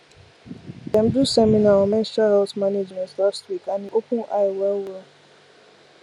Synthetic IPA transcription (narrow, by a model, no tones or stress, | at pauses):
dɛ̃m̩dusɛmĩnaɔ̃mɛ̃nstahɛltmaned͡ʒmɛ̃ntlastwikanĩʔokũʔajwɛlwɛ